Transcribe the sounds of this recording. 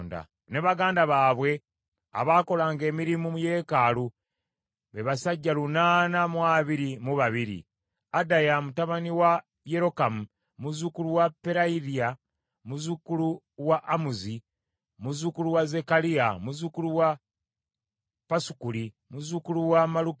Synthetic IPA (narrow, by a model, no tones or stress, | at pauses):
nda̰ | ne̞βaɡaːndaβaːβwe̞ | a̰βaːko̞laːŋɡe̞ːmiɾimumuje̞kaːlu | βeβasaɟːalunaːnamwaːβiɾimuβaβiɾḭ | adajamutaβaniwa | jeɾo̞kamu | muzukuluwapːe̞ɾaiðia | muzukulu | waʔːmuzi | muzukuluwaze̞kaliamuzukuluwa | pasu̥kuɾi | muzukuluwamaluk